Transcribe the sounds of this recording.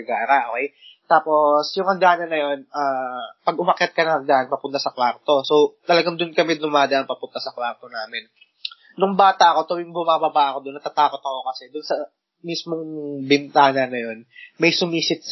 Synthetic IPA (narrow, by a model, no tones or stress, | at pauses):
ɡaːɾaʔokɛj | t̪aːpo̞sjʊŋɐɡaːnɐnɐjo̞nʔaːpɐɡ̚ʊmɐkjɐt̪̚kɐnɐŋkɐŋɡ̪aːʔɐnpɐpʊnt̪ɐsɐkwaɾt̪o̞sot̪ɐlɐɡaŋd̪ʊnkɐmɛd̪ʊmaːd̪ɐʔɐŋpɐpʊnt̪ɐsɐkwaɾt̪o̞naːmɪn | nʊŋbaːt̪ɐʔɐko̞t̪ojʊŋbʊmaːbɐbaʔɐko̞d̪ʊnːɐt̪at̪aːko̞t̪̚ɐko̞kɐsɛd̪ʊnsɐ | mismoŋbɪnt̪aːnɐnɐjo̞nmɐjsʊmiːsɪt̪̚